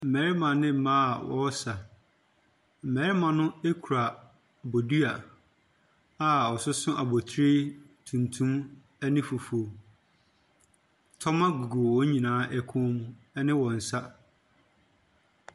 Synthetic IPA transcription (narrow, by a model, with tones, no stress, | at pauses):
m̩˨mɛ˨˦ɾɪ˦mã˨nɪ̃˦m̩˦mã˦˨wɔ̰˦sa˨ | m̩˨mɛ˨˦ɾɪ˦mã˨nʊ̃˦e˦kʰu˨ɾa˨ | bo˨du˦a˨ | a˨ɔ˨sʊ˦sʊ̃˦ʔa˨bo˨tʰɾɪ˦ | tʰũ˨ntʰũ˦m | ɛ˦nɪ̃˦fu˨fo˨ | tʰɔ˦mã˦ɡu˨ɡu˨wɔ˦ɲĩ˨nãː˨˦ʔɛ˦kʰʊ̃˦mũ˦ | ɛ˦nɪ̃˦wɔ̃˨n̩˨sa˦